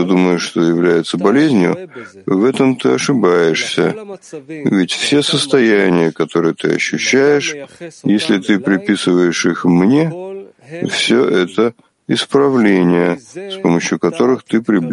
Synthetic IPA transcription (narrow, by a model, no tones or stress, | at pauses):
d̪uməjʊʂt̪ojɪvlʲæjɪt̪səbɐlʲezʲnʲjʊ̰vɛt̪əmt̪ɨɐʂɨbajɪʂsʲə̰ | vʲɪtʲfsʲe̞səst̪ɐjænʲɪjəkɐt̪o̞ɾɨjət̪ɨɐ̰ɕːʉɕːæjɪʂjesʲlʲɪt̪ɨpɾʲɪpʲisɨvəjɪʂixmnʲe̞ | fsʲoʔɛt̪ə | ɪspɾɐvlʲenʲɪjəspo̞məɕjʊkɐt̪o̞ɾɨxt̪ɨpɾʲɪblʲ